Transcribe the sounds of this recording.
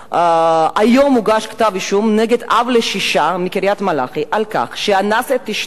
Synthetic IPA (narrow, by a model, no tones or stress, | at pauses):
ajo̞muɡaʃkḁtaviʃumneɡedavleʃiʃamikiɾjatmala̰χiʔalka̰χʃeanaset̪ːiʃ